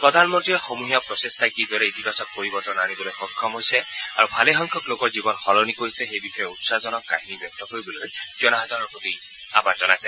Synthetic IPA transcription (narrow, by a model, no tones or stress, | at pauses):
pɹɔd̪ʱanmɔntɹijɔxomuɦijapɹɔsest̪ʰakid̪ʱɔɾɛit̪ipasɔkːoɹibɔtɔnanibɔlojxɔkʰːɔmɦojsɛaɹubʱaleɦɔŋkʰɔklokɔɹzibɔnxɔlɔnikoɦisɛxejbixɔjɔutsazɔnɔkːa̰ɦinibjɔk̚t̪ɔkoɹibɔlojd͡ʒɔnaɦad̪ʱaɹɔɹpɹot̪i | a̰pazɔnajsɛ